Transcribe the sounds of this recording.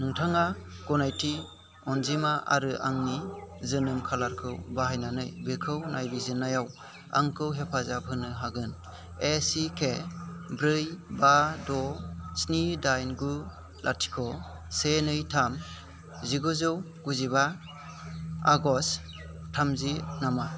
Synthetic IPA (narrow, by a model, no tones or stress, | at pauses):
nɯŋtʰaŋaɡ̥ɔnajtʰi | ɔnzimaʔa̰ɾɯʔaŋnizɯnɯmkʰalaɾkʰɯwbaɦajnanɯjbekʰɯwnʔajbizɯnːajaw | a̰ŋkʰɯwɦepʰazab̚hɯnɯɦaɡɯn | esikʰebɾɯjbadɔsnidajnɡu | lʔa̰tʰi̥kʰɔ | senɯjtʰam | ziɡɯzɯw | ɡ̥uziba | aɡɔs | tʰamzinama